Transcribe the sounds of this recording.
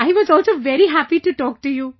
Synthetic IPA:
aɪʋɔzɔlsoʋɛɾiɦæpiʈuʈɔk̚ʈuju

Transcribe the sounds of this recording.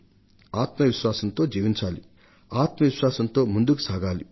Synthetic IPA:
aːt̪mɐʋiʃʋaːsɐnt̪o̞ːd͡ʒiːʋiɲt͡ʃaːli | aːt̪mɐʋiʃʋaːsɐnt̪o̞ːmund̪uku̥saːɡaːli

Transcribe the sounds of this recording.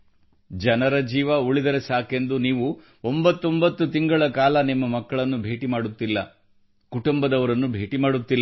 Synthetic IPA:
d͡ʒɐnɐɾɐd͡ʒiːʋɐuɭid̪ɐɾesaːke̞nd̪uniːʋu | ombɐt̪ːo̞mbɐt̪ːut̪iŋɡɐɭɐkaːlɐnimːɐmɐkːɐɭɐnːubʱe̞ːʈimaːɽut̪ːilːɐ | kuʈumbɐd̪ɐʋɐɾɐnːubʱeːʈimaːɽut̪ːilː

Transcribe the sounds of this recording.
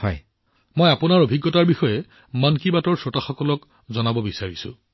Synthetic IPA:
ɔ̰j | mojapʊnaɹobʱiɡːɔtaɹbixɔjɛ | mankibatɔɹsotaxɔkɔlɔk | zɔnabɔbisaɹisʊ̰̃

